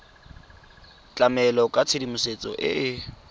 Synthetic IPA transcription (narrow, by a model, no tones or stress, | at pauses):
t͡ɬʼamɛlɔkʼat͡sʰedimʊset͡sʼɔ̰ʔɪ̰ʔɪ